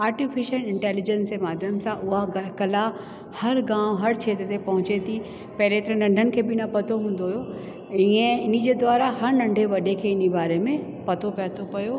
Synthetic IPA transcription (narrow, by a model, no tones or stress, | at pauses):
aːɾʈifɪʃəlɪ̃ɳʈɛːlɪd͡ʑə̃nsd͡ʑemaːd̪ʱjəmsãʔʊɦakɐla | hɐɾɡãːʋ̃ɦɐɾt͡ɕʰeːt̪ət̪ʰepɐɦʊ̃t͡ɕet̪ʰi | pɐɦɪlet̪ɐɾə̃nɐ̃ɳɖʱənɪ̆kʰeːbɪnɐpɐt̪ʰoɦũːn̆d̪oɦijo | iẽɪnid͡ʑeːd̪waːɾahɐɾnɐ̃ɳɖʱeʋɐɗekʰeːɪnibaːɾemẽ | pɐt̪ʰopɛt̪ʰopɐjo